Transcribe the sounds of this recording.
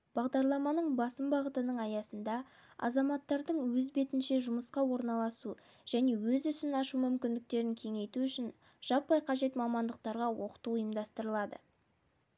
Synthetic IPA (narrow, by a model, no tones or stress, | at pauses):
b̥ɑʁd̪ɑɾlˠɑmɑnəɴbɑsəmbɑʁət̪ənəɴɑjɑsənd̪ɑ | ɑ̰zɑmɑt̪ːɑɾd̪əɴwɵzbe̞t̪ɪnʃe̞ʒʊməsqɑwo̞ɾnɑlˠɑsu | ʒ̥æne̞wɵzʏsɪnɑʃumʏmkʲɪnd̪ɪk̚t̪e̞ɾɪŋkʲʰe̞ŋe̞jt̪uʏʃɪn | ʒ̥ɑpːɑjqʰɑʒe̞t̪mɑmɑnd̪əq̚t̪ɑɾʁɑwo̞qə̥t̪uʊjəmd̪ɑst̪əɾəlˠɑd̪ə̰